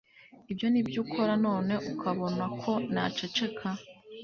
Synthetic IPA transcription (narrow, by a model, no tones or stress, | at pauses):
ibjo̞nibjuːkʰo̞ɾano̞ːne̞ʔukʰaβo̞nakʰo̞na̰t͡ʃe̞t͡ʃe̞kʰa